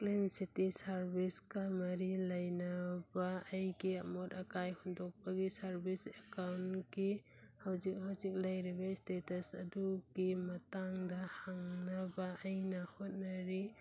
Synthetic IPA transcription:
klinsitisaɾbiskamɐɾilɐjnabaːjɡiɐmɔtɐkajhundɔk̚paɡisaɾbisekawnki | hawzik̚hawzik̚lɐjɾibaistetɐsɐdukimɐtaŋdahaŋnabaːjnɐhot̚nɐɾi

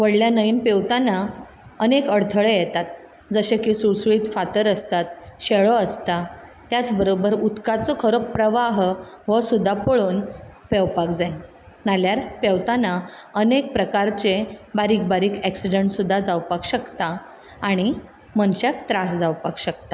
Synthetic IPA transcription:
ʋəɽljanəiːnpewt̪ana | ənekəɽt̪ʰəɭejɛt̪at̪̚ | d͡zəɕẽkĩsuɭsuɭiːt̪fat̪əɾəst̪at̪ɕeɭoəst̪at̪jat͡sbəɾobəɾut̪kat͡sɔkʰəɾopɾəʋaɦʋəsud̪ʱːapəɭuːnpewpakd͡zaj | naljaɾpewt̪anaənek̚pɾəkaɾt͡ɕebaɾiːk̚baɾiːkɛksiɖəɳʈsud̪ʱːad͡zawpakɕəkt̪aː | ɽ̃i | mənɕakt̪ɾasd͡zawpakɕək̚t̪a

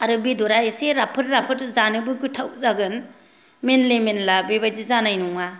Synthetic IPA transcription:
aɾɯbidɔɾaeseɾapʰɯɾɾapʰɯɾzanɯbɯɡɯtʰawzaɡɯn | menlemenlabibajzizanajnuŋa

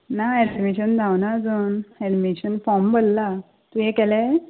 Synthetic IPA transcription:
naɛnmeɕənd͡zʱãwnad͡zənɛnimeɕənfɔmbəlːa | t̪uɦekɛlɛ

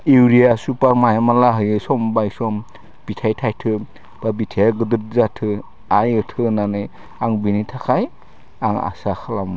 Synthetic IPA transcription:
iwɾijasupaɾmajamalaɦɯjɯsɔmbajsɔm | b̥itʰajtʰajtʰɯ | b̥abitʰeaɡɯdɯɾ̚zatʰɯ | ajɯtʰɯnanɯj | aŋbinitʰakʰaj | aŋa̰saxʰalamɯ

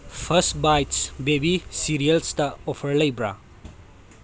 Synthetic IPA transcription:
pʰɐstbajtsbebisiɾijɐlstɐopʰɐɾlɐjbɾa̰

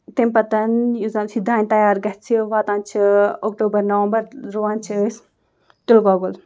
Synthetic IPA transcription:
t̪impɐt̪ɐnjuzant͡sʰid̪aːnʲt̪ɐjaːɾɡɐht͡ʃʰiʋaːt̪ãːnt͡ʃʰiokʈoːbɐɾnɐʋɐmbɐɾɾuːaːnt͡ʃʰis | t̪ulɡoːɡol

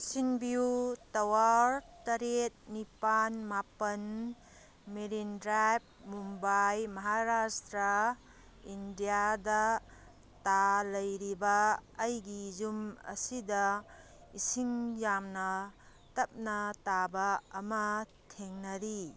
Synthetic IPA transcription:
siŋbiutɐwaɾtɐɾet̚nipanmapɐn | miɾindɾajp̚mumbajmɐɦaɾastɾa | indijadɐ | talɐjɾibɐːjɡizumɐ̰sidɐ | isiŋjamnɐ | tɐp̚nɐtabɐɐmɐ | tʰeŋnɐɾi

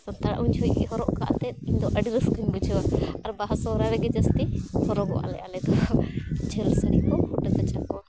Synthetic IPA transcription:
sɔnt̪aɽa̰ʔuɲt͡ʃʰɔjḭɦɔɾɔʔka̰ʔt̪ɛt̪iɲd̪ɔʔəɖiɾəskəɲbud͡ʒʰuwaɐɾbaɦasɔɾaɾɛɡɛd͡ʒəst̪ihɔɾɔɡɔ̰a̰lɛ̰ʔalɛd̪ɔ | d͡ʒʰəlsəɽikɔhuʈat̪at͡ʃakɔwa

